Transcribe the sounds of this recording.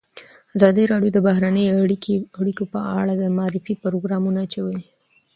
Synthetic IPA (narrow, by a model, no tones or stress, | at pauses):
azɑd̪əɾɑɽjod̪əbaɦɾanəjakaɽikopəa̰ɽad̪əmɑɾɪfipɾoɡɾɑmunat͡ʃawə